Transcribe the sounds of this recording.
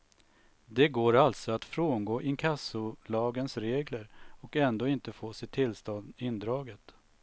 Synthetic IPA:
d̪ɛɡoːɾalt̪sɔat̪fɾoːnɡoːʔɪŋkʰasʊlɑːɡənsɾeːɡləɾɔkɛnd̪oːɪnt̪əfoːsɪt̪ʰɪlst̪ɔnd̪ɪnd̪ɾɑːɡət̪

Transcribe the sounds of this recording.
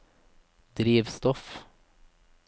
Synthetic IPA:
d̪ɾiːʋst̪ɔf

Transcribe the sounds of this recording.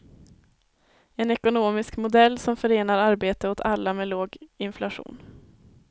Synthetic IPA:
ɛnɛkʊnoːmɪskmʊd̪ɛlːsɔmfœɾeːnaɾaɾbeːt̪əʊt̪ʰalːameːloːɡɪnflaɧṵːn

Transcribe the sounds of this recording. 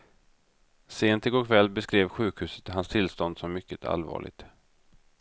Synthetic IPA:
seːnt̪ɪɡɔkʰvɛlːbɛskɾeːvɧʉ̟ːkhʉ̟ːsə̥t̪ɦhanst̪ʰɪlst̪ɔnd̪sɔmːʏkːət̪ʰa̰lvɑ̰ːɭɪ̰ɡ̚t̪

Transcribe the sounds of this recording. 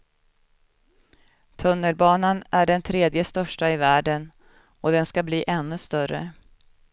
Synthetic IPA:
t̪ʰɵnːəlbɑːnanʔæɖɛnt̪ʰɾeːd̪jəst̪œʂʈaɪvæːɖən | ɔd̪ɛnskabliːʔɛnːɵst̪œrə̰

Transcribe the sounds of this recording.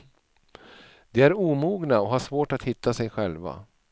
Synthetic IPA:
d̪ɛæɾuːmuːɡnaɔɦaʂvoːʈat̪hɪt̪ʰːasɛjɧɛlva̰

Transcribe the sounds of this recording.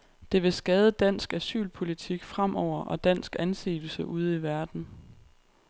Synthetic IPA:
d̥e̝ʋe̝sɡ̥ɛːð̞ˠəd̥æn̰sɡ̥æsy̰ːlpʰo̝lit͡sʰiɡ̥fʁam̰ʔɒʊ̰ɐʔɒ̽d̥æn̰sɡ̥ænse̝̰̥ːl̩səʔuð̞̰ˠiʋæɐd̥n̩

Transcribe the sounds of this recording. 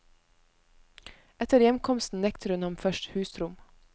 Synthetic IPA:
ɛt̪əɾjɛmkʰɔmst̪n̩nɛkt̪əɾʉnhɑmfœʃthʉːsɾʊm

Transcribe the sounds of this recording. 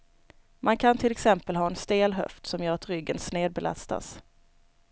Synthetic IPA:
mʔankʰant̪ʰɪlɛksɛmpəlɦɑːɛnst̪eːlɦœ̰ft̪sɔmjœːɾat̪ɾʏɡːənsneːd̪̚bɛla̰st̪a̰s

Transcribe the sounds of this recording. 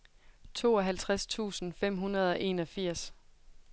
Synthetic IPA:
t͡sʰo̝̰ːɒ̽ɦælt͡sʰʁast͡sʰṵːsn̩fem̰ɦunɐð̞ˠɒ̽ʔe̝ːnɒ̽fiɐ̰s

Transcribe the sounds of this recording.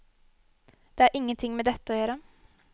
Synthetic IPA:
d̪̥eːæːɾʔɪŋːənt̪ʰɪŋmɛd̪ɛt̪ːəoːjøːɾə

